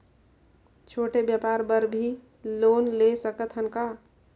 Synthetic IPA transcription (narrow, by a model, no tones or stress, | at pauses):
t͡ʃʰoːʈebjəpaːɾbəɾbʱi | loːnlesəkət̪ɦənka